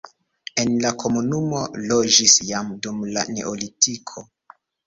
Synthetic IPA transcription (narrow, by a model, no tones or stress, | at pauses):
e̞nlako̞munumo̞lod͡ʒisjamdumla̰ne̞̰ʔolitikʰo̞